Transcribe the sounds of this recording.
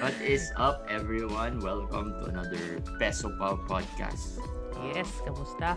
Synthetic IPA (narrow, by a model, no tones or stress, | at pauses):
bʌt̪ɪsʌp̚ɛvɹiwʌ̃nwɛlkɐ̃mt̪ʊɐ̰nad̪əɹ | pɛsɔpawpɔd̪̚ka̰st̪̚ | jɛskɐmʊst̪a